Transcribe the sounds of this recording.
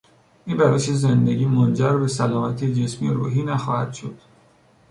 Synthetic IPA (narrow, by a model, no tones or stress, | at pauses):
ʔinbæɾeʃezend̪e̞ɟiːmond͡ʒæɾbesælɒːmæt̪ʰed͡ʒesmieɾṵːɦiːnæxɒːhæd̪̥ʃod̪̥